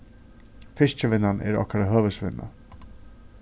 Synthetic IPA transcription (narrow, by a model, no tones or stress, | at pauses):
fɪʂt͡ʃəʋɪnːanʔɛ̰ɾɔ̰hkaɾaɦœːʋəsʋɪ̰nːʔa̰